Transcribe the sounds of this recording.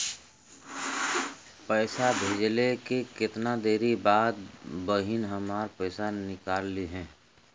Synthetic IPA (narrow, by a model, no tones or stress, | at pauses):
pəːsabʱeːd͡ʒlekekɪt̪nad̪eːɾibaːd̪bəɦinɦəmaːɾpɛːsanɪkaːlːiɦɛ̃ː